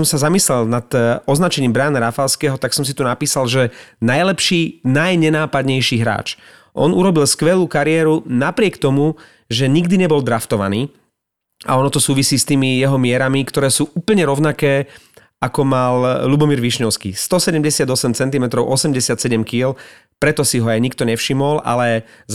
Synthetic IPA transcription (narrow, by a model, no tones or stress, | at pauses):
ɔmsazamislɛlnat̪ɔznat͡ʃɛɲiːmbɾaːnaɾafalskɛɦɔt̪aksɔms̬it̪unapiːsalʒɛnajlɛpʃiːnajɲɛnaːpad̪ɲɛjʃiːɦɾa̰ːt͡ʃ | ʔɔ̰nuɾɔbilskʋɛluːkaɾɪɛːɾunapɾɪɛkt̪ɔmu | ʒɛɲiɡd̪iɲɛbɔld̪ɾaft̪ɔʋa̰niː | a̰ɔnɔt̪ɔsuːʋisiːst̪iːmijɛɦɔmɪɛɾamikt̪ɔɾɛːsuːʔuːpl̩ɲɛɾɔʊnakɛː | akɔmallubɔmiːɾʋiʃɲɔʊskḭːst̪ɔsɛɟɛmɟɛsɪad̪ɔsɛmt͡sɛnt̪̬imɛt̪ɾɔʊʔɔsɛmɟɛsɪat̪sɛɟɛmkil | pɾɛt̪ɔsiɦɔajɲik̚t̪ɔɲɛfʃimɔla̰lɛ